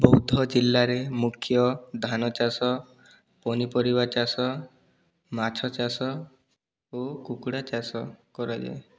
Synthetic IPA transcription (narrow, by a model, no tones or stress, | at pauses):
bɔɦud̪ʱɔd͡ʒilːaɾemukʰjɔd̪ʱanɔt͡ʃasɔ | pɔnipɔɾibat͡ʃasɔ | mat͡ʃʰɔt͡ʃasɔ | okukɽat͡ʃasɔkɔɾajd͡ʒḛ